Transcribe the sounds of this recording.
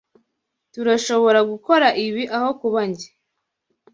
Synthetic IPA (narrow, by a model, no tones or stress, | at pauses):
tuɾaʃo̞βo̞ɾaɡuko̞ɾaʔiβiʔaho̞kuβaɲɟe